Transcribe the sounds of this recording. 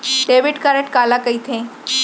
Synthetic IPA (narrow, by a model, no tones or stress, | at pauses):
ɖeʋɪɖkaɾẽʈkaːlakəit̪ʰẽ